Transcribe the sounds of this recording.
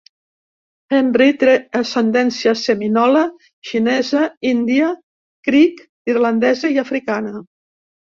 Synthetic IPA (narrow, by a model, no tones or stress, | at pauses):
ɛmbɾit̪ɾeəsend̪ɛnsiəseminɔlə | ʃinɛzəind̪iə | kɾik | irland̪ɛzəiafɾikanə